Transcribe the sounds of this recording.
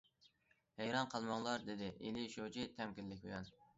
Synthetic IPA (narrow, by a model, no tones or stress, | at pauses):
hæjɾɑnqʰɑlˠmɑŋlˠɑɾd̪ɪd̪ɪʔḛlɪʃowt͡ʃʰit̪ʰɛmkʲilːɪkʲbojɑn